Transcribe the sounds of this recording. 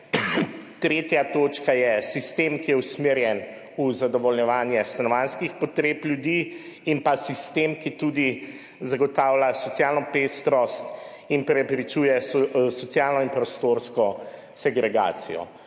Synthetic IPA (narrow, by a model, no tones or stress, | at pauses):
t̪ɾeːt̪jat̪oːt͡ʃkajɛsist̪eːmkijɛusmeːɾjɛn | uzad̪ɔʋɔlɲjɛʋaːnjɛst̪anɔʋanskixpɔt̪ɾeːpljud̪iːmpasist̪emkit̪ud̪i | zaɡɔt̪aːwlasɔtsjaːlnɔpest̪ɾɔst̪ | inpɾɛpɾit͡ʃuːjɛsɔt̪sjaːlnɔimpɾɔst̪oɾskɔ | sɛɡɾɛɡa̰ːt̪sijɔ̰